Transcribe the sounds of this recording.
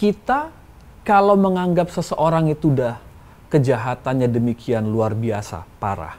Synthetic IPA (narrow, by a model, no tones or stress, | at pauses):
kit̪a | kalawməŋaŋɡap̚səsəʔoɾaŋit̪udah | kəd͡ʒaɦat̪anɲadəmikianluarbiasa̰paɾa̰h